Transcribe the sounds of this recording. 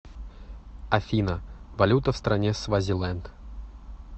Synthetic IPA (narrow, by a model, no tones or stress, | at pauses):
afʲinɐvalʲut̪ɐfst̪ɾanʲɛsvazʲilˠɛnt̪